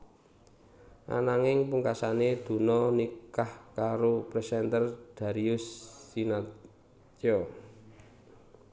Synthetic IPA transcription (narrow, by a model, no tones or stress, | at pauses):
ʔa̰naŋɪŋpuŋkasaned̪̥ṳnɔnikahkaɾopɾɛsɛnt̪ərd̪̥a̤ɾiʊsːina | t͡ʃɔ